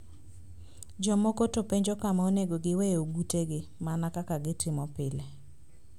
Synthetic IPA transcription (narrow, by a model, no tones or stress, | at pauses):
d͡ʒɔmokotopeɲd͡ʒokamaoneɡoɡɪwejoɡuteɡɪmanakakaɡɪtɪmɔpɪle